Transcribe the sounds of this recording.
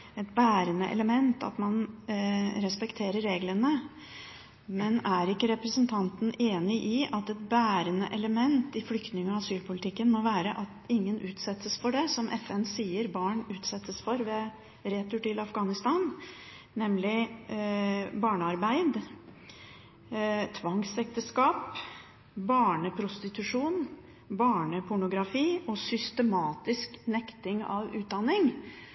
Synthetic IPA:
ɛt̪̚bæːɾənəʔɛ̰ləmɛnt̪ʰɑ̰t̪mɑn | ɾɛspɛkt̪ʰeːɾəɾːeːɡlənə | mɛnæɾɪkːəɾɛpɾəsənt̪ʰɑnt̪n̩eːnɪʔɪʔɑt̪ɛt̪̚bæːɾənə̰ʔɛləmɛnt̪ɪflʏkt̪nɪŋɑʋɑsyːlpʰʊlɪt̪ʰɪkːənmoʋæːɾəʔɑt̪ɪŋːənʔʉːt̪sɛt̪ːəsfɔɖɛsɔmʔɛfɛnsiːəɾbɑːɳʉːt̪sɛt̪ːəsfɔɾʋɛ | ɾɛːt̪ʰʉʈɪlɑfɡɑːnɪst̪ɑːnː | ɛmlɪ | bɑːɳəɑɾbæɪd̪ | t̪ʰʋɑŋsɛk̚t̪əskɑːp | bɑːɳəpʰɾʊst̪ɪt̪ʉʂuːn | bɑːɳəpʰʊɳʊɡɾɑfiːʔɔsʏst̪əmɑːt̪ɪsknɛkt̪ɪŋɑ̰ʋʉːt̪̚d̪ɑnːɪŋ

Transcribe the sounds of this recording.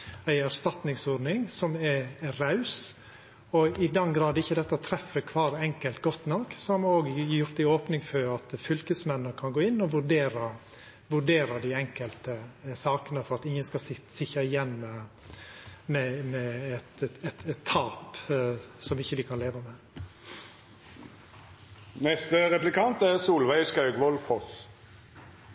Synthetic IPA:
æɪæɾst̪ɑt̪nɪŋsoːɾnɪŋsɔmɛɾɑʉs | ɔɪd̪ɛnɡɾɑːd̪əɪçːəd̪ɛt̪ːət̪ʰɾɛfːəkʰʋɑːɾɛŋkəlt̪ɡɔt̪ːnɑksɔɔɾmoːɡjʊɾt̪ɪoːpnɪŋfœɾɑt̪fʏlkəsmɛnːəkʰɑnɡoːɪnːɔʋʉɖeːɾɑ | ʋʉɖeːɾɑd̪ɪɛŋkəlt̪əsɑːkənəfɔɾɑt̪ɪŋːənskɑsɪsɪçɑɪjɛnːmɛ | mɛmɛɛt̪ɛt̪ɛt̪ʰːɑːp | sɔmɪçːəd̪ɪkʰɑnleːʋəmeː | nɛst̪əʁɛplɪkʰɑnt̪æʁsuːlʋæɪskɑʉɡʋɔlfɔs

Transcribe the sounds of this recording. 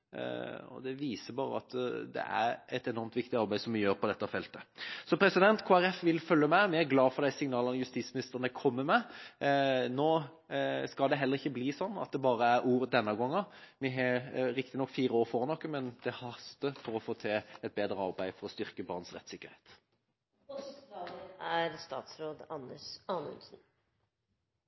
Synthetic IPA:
ɔ̰d̪ɛʋiːsəbɑːɾə̰ɑt̪d̪ɛ̰ʔæ̰ɾɛt̪ɛnɔɾmt̪ʋɪk̚t̪ɪɑɾbæɪsɔmʋɪjøːɾpʰɔd̪ɛt̪ːɑfɛlt̪əsɔpʰɾɛsɪd̪ɛnt̪kʰoːæɾɛfʋɪlfœljəmæɪmɪæɾɡlɑːfɔɾd̪æɪsɪŋnɑːlənəjʉst̪iːt̪smɪnɪst̪əʁnkʰɔmːəmɛ | noː | skɑld̪ɛɦɛlːəɾɪçːəbliːsɔnːɑ̰t̪̚d̪ɛbɑːɾəæɾuːɾd̪ɛnːɑɡɔŋːɑʋɪɦɑɾɪkt̪ɪnɔkːfiːɾəoːɾfɔʁnɔkːəmɛnd̪̥ɛhɑst̪əfɔɾɔfoːt̪ʰɛɛt̪̚beːd̪ɾəɑʁbæɪfɔɾɔst̪ʏɾkəbɑ̰ʁnsʁɛ̰t̪sɪkːəɾheːt̪ | æɾst̪ɑ̰ːt̪sɾoːd̪ɑnːəʂɑnə̰lsn̩

